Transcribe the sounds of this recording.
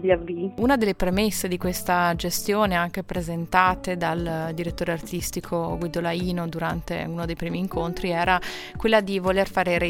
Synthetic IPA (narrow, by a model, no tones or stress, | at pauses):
laviunad̪elːepɾemesːed̪ikwest̪ad͡ʒest̪joːneaŋk̟epɾezent̪aːt̪ed̪ald̪iɾet̪ːoːɾeart̪ist̪ikʰoɡwid̪olaiːnod̪uɾant̪ḛunod̪ejpɾiːmiːŋkʰont̪ɾiɛːɾa | kwelːad̪ivolerfaːɾeɾe